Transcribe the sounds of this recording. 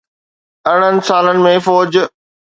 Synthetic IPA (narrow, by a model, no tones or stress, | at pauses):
ɐɽ̃ənɪ̆saːlənɪ̆mẽfɔːd͡ʑ